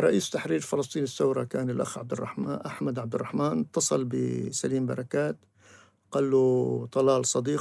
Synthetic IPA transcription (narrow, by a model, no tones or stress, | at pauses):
ɾˤɑʔiːst̪aħɾiːɾfɪlɑsˤt̪ˤiːnɪθːawɾˤɑkaːnɪlʔa̰xʕab̚d̪ɪrˤːɑ̰ħma̰ʔaħmad̪ʕab̚d̪ɪrːɑħmaːnt̪ːɑsˤɑlbɪ̰saliːmbɑ̰ɾˤɑkaːt̪ | qalːut̪ˤɑlɑːlsˤɑd̪iː